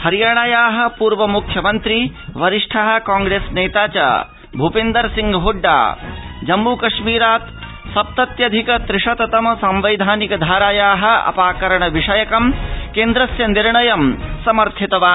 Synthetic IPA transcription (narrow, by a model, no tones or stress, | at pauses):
hɐɾijaːɳaːjaːɦɐ̆puːɾʋɐmukʰjɐmɐnt̪ɾiʋɐɾiʂʈʰɐɦɐ̆kaːŋɡɾeːsneːt̪aːt͡ʃa̰ | bʱupeːnd̪ɐɾsiŋɡɦoɖːa̰ːd͡ʒɐmːukɐʂmiːɾaːt̪ | sɐp̚t̪ɐt̪jɐd̪ʱikɐt̪ɾɪʂɐt̪ɐt̪ɐmɐsɐmʋɐjd̪ʱaːnikɐd̪ʱaːɾaːjaːɦɐ̆ɐ̰paːkɐɾɐɳɐʋiʂɐjɐkɐmkeːnd̪ɾɐsjɐniɾɳɐjɐmsɐmɐɾt̪ʰit̪ɐʋaː